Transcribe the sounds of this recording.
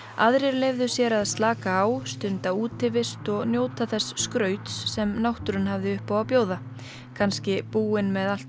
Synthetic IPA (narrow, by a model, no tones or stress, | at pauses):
a̰ðɾɪɾlejvðʏsjɛɾaðst̪laːkaːwst̪ʏnt̪auːt̪ɪvɪst̪ɔɣnjoːwt̪aθɛsːkɾœːɥt̪sːɛmnawht̪ʏɾʏnɦavðɪʏhpawawpjoːwða | kʰanscɪpuːɪnmɛðal̥t̪